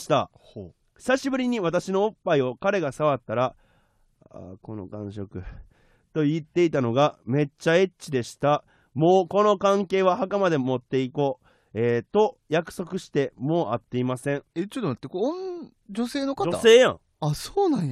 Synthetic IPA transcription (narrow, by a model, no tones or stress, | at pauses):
ɕi̥t̪a̰ | çi̥saɕibɯ̟ɾʲiɲ̟iβat̪aɕino̞ːpːaio̞kaɾe̞ɡasaβ̞at̪ːaɾa | a̰ko̞no̞̰kãɰ̃ɕo̞kɯ̟ | t̪o̞it̪ːe̞it̪ano̞ɡame̞t͡ɕːae̞t͡ɕt͡ɕid̪e̞ɕi̥t̪a | mo̞ːko̞no̞kãŋke̞ːβahakamad̪e̞mo̞t̪ːe̞iko̞ː | eːt̪o̞jakɯ̟̥so̞kɯ̟ɕi̥t̪e̞mo̞ːʔat̪ːe̞imasẽ̞ɴet͡ɕot̪oat̪ːeko | d͡ʑo̞se̞ːno̞kad͡ʒo̞ase̞ːjã̰ | asoːnã